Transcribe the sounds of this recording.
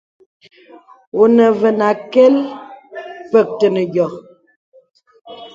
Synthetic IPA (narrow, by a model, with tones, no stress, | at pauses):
o˨nə˨və˨na˨kɛ˦l | pə˦˨k̚tə˨nə˨ɡjɔ˨k̚